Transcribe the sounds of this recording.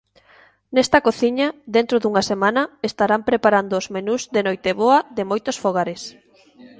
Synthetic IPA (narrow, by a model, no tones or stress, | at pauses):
nɛst̪ɐkoθiɲɐðent̪ɾoðuŋasemãnɐest̪aɾampɾepaɾand̪oːzmenuzðenojt̪eβoɐðemojt̪osfoɣ̞aɾes